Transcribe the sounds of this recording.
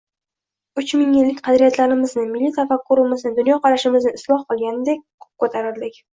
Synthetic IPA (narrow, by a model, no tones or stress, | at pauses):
ʊt͡ʃmɪŋjɪlːɪkʲqʰɑd̪ɾijat̪ʰlaɾɪmɪznɪmɪlːit̪ʰafakʰːʊɾɪmɪznɪd̪ʊnjɒqʰɑɾaʃɪmɪznɪɪslˠɒhqɨlˠɡʲanɪd̪ek̚ʲʰɵ̥p̚kʰot̪ʰaɾɪɾd̪ɪkʲ